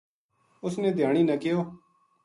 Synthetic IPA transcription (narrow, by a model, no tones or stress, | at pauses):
ʊsneːd̪ʱjaːɳ̃iːnəkɪjoː